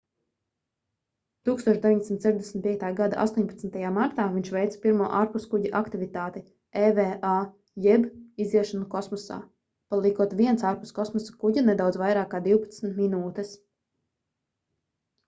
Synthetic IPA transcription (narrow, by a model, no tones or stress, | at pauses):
t̪uːkst̪uɔʃd̪evʲiɲd̪esmnt̪sɛɾd̪esm̩ʲt̪pʲiɛk̚t̪aːɡad̪aʔa̰st̪uɔɲʲpat̪snt̪ajaːmaɾt̪aːviɲʃvɛjt̪spiɾmuɔʔaːɾpuskuɟaʔakt̪ivit̪aːt̪i | ɛveːʔa | jɛbiziɛʃɔnukɔsmɔsa̰ː | palˠikuɔt̪viɛnt̪saːɾpu̥skɔsmɔsḁkuɟanɛd̪awd̪zvajɾaːkːaːd̪iwpḁt̪smt̪minuːt̪ɛs